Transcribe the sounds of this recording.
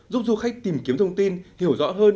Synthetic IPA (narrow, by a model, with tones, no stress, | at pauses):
zu˦˥p̚zu˧˩xa˦˥jk̚t̪i˨˩mki˨˦əmt̪ʰə˧wŋ͡mt̪i˧nhi˧˩əwzɔ̰˧˥ɦəː˧n